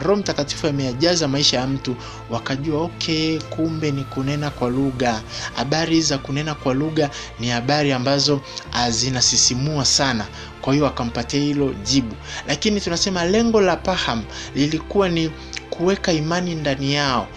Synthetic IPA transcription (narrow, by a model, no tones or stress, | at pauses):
ɾɔm̩takati̥fuamɛjaʄazamaiʃajam̩tu | wakaʄuaɔkʰɛkumbɛnikunɛnakwaluɠaha̰ɓaɾizakunɛnakwaluɠa | nihaɓaɾiambazɔazinasisimuasana | kwahijɔakam̩patɛahilɔʄiɓulakinitunasɛmalɛŋɡɔlapaham̩lilikuwani | kʰuwɛkaimanindanijaɔ